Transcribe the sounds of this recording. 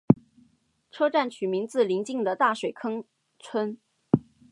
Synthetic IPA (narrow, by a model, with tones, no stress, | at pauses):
ʈ͡ʂʰɤ˥ʈ͡ʂa˥˩nt͡ɕʰy˨˩mi˧˥ŋt͡sɹ̩˥˩li˧˥ŋt͡ɕi˥˩ŋd̪ə˨t̪a˥˩ʂwe˨˩ɪkʰɤ˥ŋ | t͡sʰwə˥n